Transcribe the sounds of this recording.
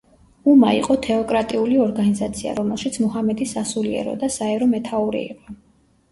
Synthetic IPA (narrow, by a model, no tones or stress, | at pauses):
umaḭqʼɔt̪ʰɛɔkʼɾat̪ʼiuliɔɾɡanizat̪sʰia̰ɾɔmɛlˠʃit̪sʰmɔhamɛd̪isasuliɛ̰ɾɔ̰d̪asaɛɾɔmɛt̪ʰauɾḭḭqʼɔ